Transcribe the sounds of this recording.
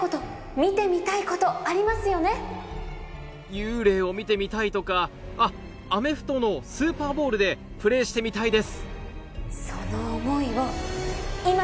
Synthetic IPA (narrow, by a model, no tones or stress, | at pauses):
ot̪o̞ | mʲit̪e̞mʲit̪aiko̞t̪o̞aɾʲimasɨjo̞ne̞ | jɯ̟ːɾe̞ːo̞mʲit̪e̞mʲit̪ait̪o̞ka | a | ame̞ɸɯ̟̥t̪o̞no̞sɨːpaːbo̞ːɾɯ̟d̪e̞ | pɯ̟ɾe̞ːɕi̥t̪e̞mʲit̪aid̪e̞sɨ̥ | so̞noːmo̞iβo | ima